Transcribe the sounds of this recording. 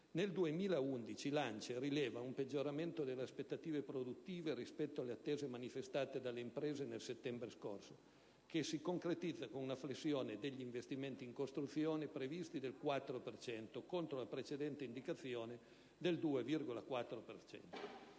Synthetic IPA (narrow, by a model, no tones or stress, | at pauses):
neld̪uemiːlaund̪it͡ʃilant͡ʃeɾilɛːvaumped͡ʒːoɾament̪od̪elːeaspet̪ːat̪iːvepɾod̪ut̪ːiːveɾispɛt̪ːoalːeat̪ːeːzemanifest̪aːt̪ed̪alːeimpɾeːzenelset̪ːɛmbɾeskorso | kesikoŋkɾet̪id̪zːakonunaflesːjoːned̪eʎːiɱvest̪iment̪iːŋkost̪ɾut̪sːjoːnepɾevist̪id̪elkwat̪ːɾopert͡ʃɛnt̪okont̪ɾolapɾet͡ʃed̪ɛnt̪eind̪ikat̪sːjoːne | d̪eld̪uːevirɡolakwat̪ːɾopert͡ʃɛ̰nt̪o